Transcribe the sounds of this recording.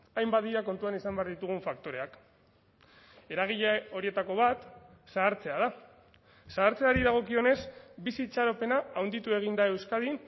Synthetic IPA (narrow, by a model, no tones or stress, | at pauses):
ajmbaðiɾako̞nt̪uanisambe̞aɾðit̪uɣ̞uɱfak̚t̪o̞ɾe̞ak | e̞ɾaɣ̞iʎao̞ɾie̞t̪ako̞β̞at̪ | saːɾt͡se̞að̞a | saːɾt͡se̞aɾiðaɣ̞o̞kio̞ne̞sbisit͡ʃaɾope̞naːwnd̪it̪ue̞ɣ̞ind̪ae̞wskað̞in